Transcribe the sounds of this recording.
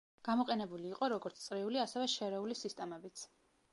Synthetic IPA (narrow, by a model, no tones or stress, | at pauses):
ɡ̥amɔqʼɛnɛbuliːqʼɔɾɔɡɔɾt̪sʰt̪sʼɾiuliasɛvɛʃɛɾɛulisist̪ʼɛmɛbit̪sʰ